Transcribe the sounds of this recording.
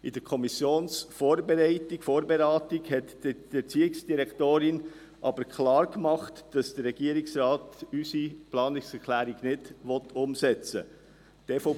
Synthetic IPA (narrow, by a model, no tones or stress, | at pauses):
id̥əɾkʰɔmisjoːnsfoːɾbɛɾɛɪtikfoːɾbɛɾɑːtɪɡhɛtd̥i̥ɛt͡siːɪksd̥iɾɛkʰtoːɾɪn | ʔɑb̥əɾkʰlɑːɾkmɑχtd̥ɑsd̥ərɾɛɡ̥iəɾɪksɾɑːtysiplɑːnɪksɛɾkʰlæːɾiɡnɪd̥ʋɔt̪ʊmsɛt͡sə̰ | t̪eːfɔ